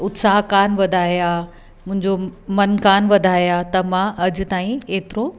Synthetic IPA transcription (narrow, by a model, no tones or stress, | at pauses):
ʊt̪saːɦkaːnʋɐd̪ʱaːija | mʊ̃ɦɪ̃ɲd͡ʑomɐnkaːnʋɐd̪ʱaːijat̪ɐmãʔɐd͡ʑʊ̆t̪aːĩeːt̪ɪɾo